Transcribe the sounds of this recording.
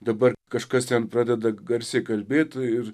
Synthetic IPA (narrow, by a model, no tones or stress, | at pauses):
d̪ɐbɐrkɐʃkɐst̪ʲɛnpɾɑːd̪ʲɛd̪ɐɡɐɾʲsʲɛkɐlʲbʲeːt̪ɪr